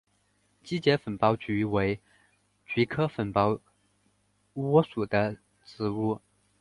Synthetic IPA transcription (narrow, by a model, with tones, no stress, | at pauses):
t͡ɕi˥t͡ɕjɛ˧˥fə˨˩npɑ˧˥ʊt͡ɕy˧˥we˧˥ɪ | t͡ɕi˧˥kʰɤ˥fə˨˩npɑ˧˥ʊ | wɔ˥su˨˩d̪ə˦ | t͡sɹ̩˧˥u˥˩